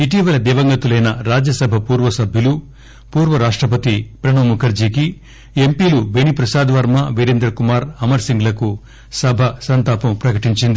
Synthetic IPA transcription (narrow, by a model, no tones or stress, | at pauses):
iʈiːʋɐlɐd̪iːʋɐŋɡɐt̪ulɐjnɐɾaːd͡ʒjɐsɐbʱɐpuːɾʋɐsɐbʱjulu | puːɾʋɐɾaːʂʈɾɐp̬ɐt̪ipɾɐɳɐmukʰɐɾd͡ʒiːki | empiːlubenipɾɐsaːd̪ɐʋɐɾmɐʋeɾend̪ɾɐkumaːɾɐmɐɾsiŋɡlɐku | sɐbʱɐsɐnt̪aːpɐmpɾɐkɐʈiɲt͡ʃind̪i